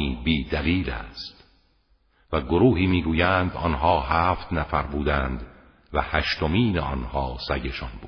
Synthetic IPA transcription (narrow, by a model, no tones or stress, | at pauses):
iːbiːd̪æliːlæ̰st̪ | væɡoɾuːɦiːmiːɡuːjænd̪ɒ̰nɦɒːhæːft̪næfæɾbuːd̪æːnd̪ | væhæʃt̪omiːneɒnhɒːsæɟe̞ʃɒnbu̥ː